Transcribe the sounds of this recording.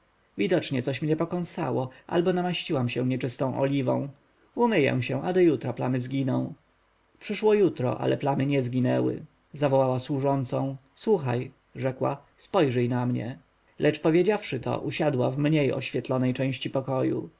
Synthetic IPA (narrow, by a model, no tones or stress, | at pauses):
vʲid̪ɔt͡ʂɲɛt̪sɔɕmɲɛpɔkɔ̃ñst̪a̰wɔʔa̰lbɔnamaɕt͡ɕiwamɕɛ̃ɲɛt͡ʂɘst̪ɔ̃w̃ʔɔ̰lʲivɔ̰̃w̃ | umɘjɛ̰w̃ɕɛ̃ʔad̪ɔjut̪ɾaplamɘzɡʲinɔ̃w̃ | pʂɘʂwɔjut̪ɾɔ̰ʔa̰lʔɛplamɘɲɛzɡʲinɛwɘ̰ | zavɔwawaswuʐɔnt̪sɔ̃w̃swuxaj | ʐɛkwa̰ | spɔjʐɘjnamɲɛ̰ | lʔɛt͡ʂpɔvʲjed͡ʑafʂɘt̪ɔ̰ʔuɕad̪wa̰vmɲejɔ̰ɕfʲjɛt̪lɔnɛjt͡ʂɛ̃w̃ɕt͡ɕipɔkɔjṵ